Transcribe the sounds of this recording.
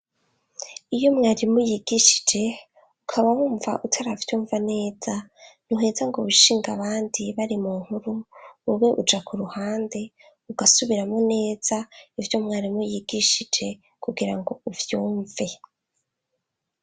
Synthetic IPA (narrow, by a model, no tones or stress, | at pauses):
ijo̞mŋaːɾimujiɡ̥iʃi̥d͡ʒe̞ | ukʰaβawuːɱvaʔutʰaɾavjuːɱvane̞ːz̥an̥uɦe̞zaŋɡoβuʃiːŋɡaβaːndiβaɾimuŋ̥huɾuuweʔud͡ʒakʰuɾuhaːnde̞ | uɡasuβiɾamone̞ːz̥aivjo̞mŋaːɾimujiɡiʃid͡ʒe̞ | kuɡiɾaŋɡo̞uvjuːɱve̞